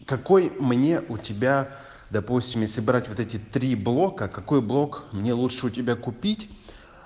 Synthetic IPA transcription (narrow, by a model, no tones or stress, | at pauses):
kɐko̞jmnʲe̞ʔʊtʲɪbʲa | d̪ɐpusʲtʲɪmjesʲlʲɪbɾatʲvot̪ɛtʲɪt̪ɾʲiblˠo̞kəkɐko̞jblˠo̞kmnʲe̞lˠutʂɨʊtʲɪbʲakʊpʲitʲ